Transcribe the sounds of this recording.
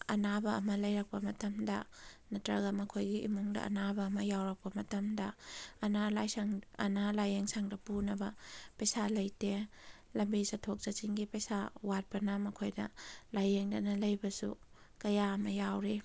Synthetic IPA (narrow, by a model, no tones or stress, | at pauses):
ɐnabɐ̰ːmɐlɐjɾɐk̚pɐmɐtɐmdɐ̰nɐtɾɐɡɐmɐkʰojɡiḭmuŋdɐ̰ʔɐ̰nabɐːmɐjawɾɐk̚pɐmɐtɐmdɐːnalajsaŋɐ̰nalajeŋsaŋdɐpunɐbɐpɐjsalɐjte | lɐmbisɐtʰok̚zɐt͡ʃiŋɡipɐjsawat̚pɐnɐmɐkʰojdɐ̰lajeŋdɐnɐlɐjbɐsṵ | kɐjaɐmɐjawɾe